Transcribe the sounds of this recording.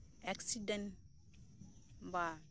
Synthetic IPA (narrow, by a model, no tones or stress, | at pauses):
aksiden | ba